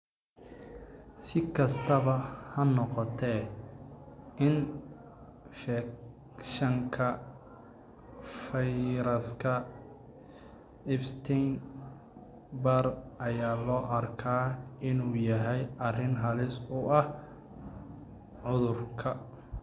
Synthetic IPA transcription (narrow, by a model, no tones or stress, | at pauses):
sɪkʰɐst̪ʰɐβɐhɐnɔqɔt̪ʰɛ | ʔɪn | fɛ | ʃɐŋkʰɐ | fɛjɾɐskʰɐ | ɪfst̪ʰɛn | bɐrʔɐjaːlɔːʔɐrkʰaːɪnuːjɐɦɛjʔɐrɪnɦɐlɪsʊʔɐh | ʕʊðʊrkʰɐ